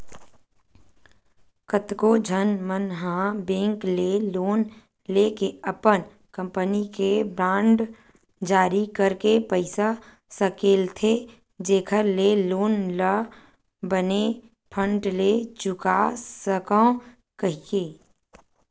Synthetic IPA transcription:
kət̪kod͡ʒʱənmənɦãbẽːŋkleloːn | lekeəpən | kə̃mpənikebɾãːɳɖ | d͡ʒaːɾikəɾkepəɪsa | səkeːlt̪ʰe | d͡ʒeːkʰəɾleloːnlə | bəne | pʰə̃ɳʈlet͡ʃʊkasəkə̃ | kəɦieː

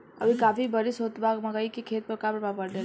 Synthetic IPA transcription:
ə̰bʱikaːpʰibəɾisɦot̪bʱaɡməɡəikekʰeːt̪̚pəɾkapɾəbapəɽle

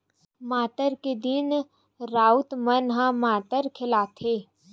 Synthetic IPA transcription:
maːt̪əɾked̪ɪn | ɾaːut̪mənɦãmaːt̪əɾkʰɪlaːt̪ʰeː

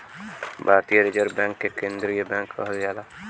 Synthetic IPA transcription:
bʱaːɾt̪ijɐɾed͡ʒəɾbɛŋkːekend̪ɾijebɛŋkːə̰ɦəljala

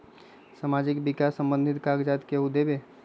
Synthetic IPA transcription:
samad͡ʒɪkbɪkaːsːə̃mbə̃nd̪ʱɪt̪kaɡd͡ʒat̪keʊd̪ebe

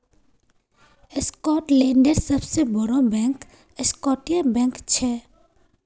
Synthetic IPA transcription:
ɪskɔːʈlẽːɳɖəɾsəbsebəɾobɛ̃ːŋk | ɪskɔːʈijãbɛ̃ːŋkt͡ʃʰɛː

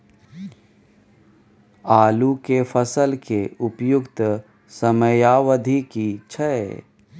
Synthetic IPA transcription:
aːlukefʰəsəlkeʔʊpjʊkt̪ | səməjaːwəd̪ʱikit͡ʃʰəḛ

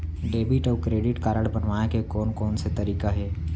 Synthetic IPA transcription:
ɖeːbɪʈɔːkɾeːɖɪʈkaːɾəɽbənʋaːnekekɔːnkɔːnset̪ɐɾiːkaɦɛː

